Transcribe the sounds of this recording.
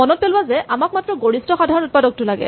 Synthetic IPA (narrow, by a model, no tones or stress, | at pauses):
mɔnɔt̚pelwazɛʔamak̚matɹɔɡoɹistɔxadʱaɹɔnut̚padɔk̚tʊlaɡɛ̰